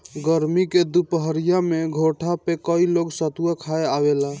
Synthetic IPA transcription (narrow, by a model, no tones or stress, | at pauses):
ɡəɾmiked̪upəɦəɾijameɡʱoʈʰapekəiloɡsət̪uakʰaeaβela